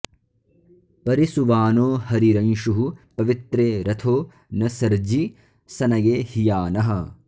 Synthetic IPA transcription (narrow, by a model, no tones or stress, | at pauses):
pɐɾisuʋaːnoːhɐɾiɾɐnʃuɦupɐʋit̪ɾeːɾɐt̪ʰoː | nɐsɐɾd͡ʒi | sɐnɐjeːhijaːnɐɦɐ̆